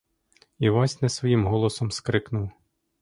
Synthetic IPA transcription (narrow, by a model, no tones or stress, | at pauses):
iʋɑsʲnɛsʋɔjimɦɔlˠɔsɔmskɾɪknʊw